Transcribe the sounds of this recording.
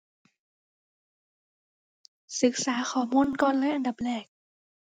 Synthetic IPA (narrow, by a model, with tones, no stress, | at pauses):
sɯ˨˦k̚saː˩˦xʰɔː˨˩˦muː˧˨nkɔː˧˨nlɛː˦˥ʔa˧nda˨˩p̚lɛː˨˩k̚